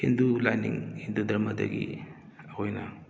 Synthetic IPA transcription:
hindulajnḭŋhindudɐɾmɐdɐ̰ɡḭ | hojnɐ

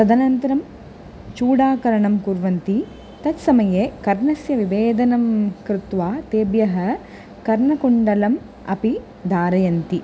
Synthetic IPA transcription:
t̪ɐd̪ɐnɐnt̪ɐɾɐm | t͡ʃuːɽaːkɐɾɐɳɐmkuɾʋɐnt̪i | t̪ɐt̪sɐmɐjeːkɐɾɳɐsjɐʋiʋeːd̪ɐnɐmkɾɪt̪ʋaːt̪eːbjɐɦɐ̆ | kɐɾɳɐkuɳɖɐlɐm | ɐ̰pi | d̪aːɾɐjɐnt̪i

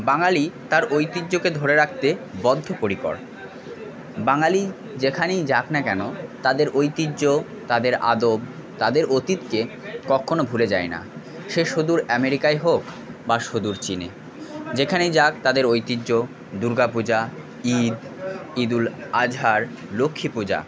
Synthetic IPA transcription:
baŋalit̪aɾojt̪id͡ʑːoked̪ʱoɾeɾak̚ʰt̪ebɔd̪ʱːopoɾiko̰ɾ | baŋali | d͡ʑekʰanejd͡ʑaknakɛnot̪ad̪eɾʔojt̪idʑo | t̪ad̪eɾa̰d̪ob | t̪ad̪eɾot̪it̪ke | kɔkʰːonobʱuled͡ʑaena̰ | ʃeʃod̪uɾɛmeɾikaeɦok | baʃod̪uɾt͡ɕinḛ | d͡ʑekʰanejd͡ʑakt̪ad̪eɾojt̪id͡ʑːo | d̪uɾɡapud͡ʑa | id̪ | id̪ulad͡ʑʱaɾ | lokʰːipud͡ʑa̰

